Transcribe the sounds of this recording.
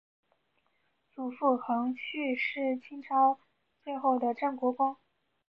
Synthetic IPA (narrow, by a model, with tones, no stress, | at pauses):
t͡su˨˩fu˥˩xɤ˧˥ŋt͡ɕʰy˥˧ʂɻ̩˥˩t͡ɕʰi˥ŋʈ͡ʂʰɑ˥ʊ | t͡swe˥˧ɪxo˥˩ʊd̪ə˩ʈ͡ʂə˥˩nkwɔ˧˥kwɑ˥ŋ